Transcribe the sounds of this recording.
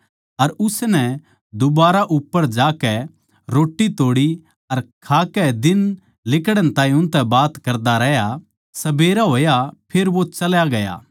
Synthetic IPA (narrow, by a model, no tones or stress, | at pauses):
ɐɾʊsnɛ | d̪ʊbaːɾaʔʊpːəɾd͡ʒaːkɛ | ɾoːʈːit̪oːɽi | ɐɾkʰaːkɛd̪ɪn | lɪkɽəñt̪ãːĩʊ̃nt̪ɛbaːt̪kɐɾd̪aɾɛɦja | sɐbeːɾaɦoːjapʰeːɾʋot͡ʃɐljaɡɐja̰ː